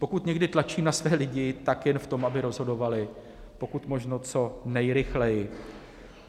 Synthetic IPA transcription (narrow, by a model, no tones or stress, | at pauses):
po̞kut̪ɲɛɡdɪt̪lat͡ʃiːmnasvɛːlɪɟɪt̪akjɛnft̪o̞mʔabɪɾo̞zɦo̞do̞valɪ | po̞kut̪mo̞ʒnot͡so̞nɛjɾɪxlɛjɪ